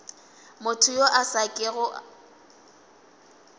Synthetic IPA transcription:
mʊtʰʊjoʔasakʼɪɣʊʔ

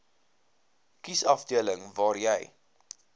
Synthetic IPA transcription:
kisɐfdiələŋvɑːrjɛj

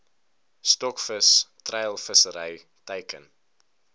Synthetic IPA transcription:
stɔkfəstrɛjlˠfəsəɾəj | təjkən

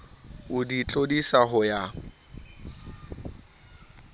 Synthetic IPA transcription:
ʊdit͡ɬʼodisaɦʊja

